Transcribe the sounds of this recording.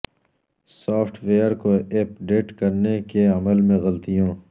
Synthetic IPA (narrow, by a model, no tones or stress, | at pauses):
saːfʰʈʰʋeːjəɾkoep̚ɖeːʈkɐɾnekeɐməlmẽɣɐlt̪ijõː